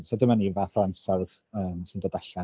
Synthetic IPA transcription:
sodɪmanivaːθlˠansɔrð̥ | əːmsɨndədaɬa

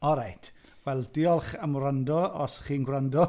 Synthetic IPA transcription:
ɔɾajtʰ | wɛlˠdɪɔlˠχamɾandɔɔsχiːnɡwrandɔ

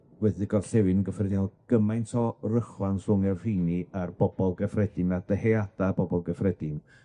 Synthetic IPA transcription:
wɛðɪɡɔvɬɛwɨnɡəfrɛdɪalˠɡ̥əmajntʰɔrəχwansʊŋɛrr̥ijniarbɔb̥ɔlˠɡəfrɛdɪnad̥əhɛad̥abɔbɔlˠɡəfrɛdɪn

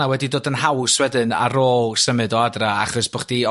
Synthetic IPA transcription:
awɛdidoːdənɦawswɛdɨna̰roːlˠsəmɨdɔadraaχɔsb̥ɔχd̥i

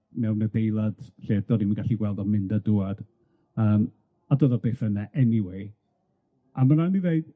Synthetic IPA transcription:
mɛwnədejlˠad̥ɬeːd̥ɔdiməŋɡaɬiɡwɛlˠdɔmɪndədʊad̥ | əːm | adoðɔbeːθənaʔɛniwej | amananiveɨd̥

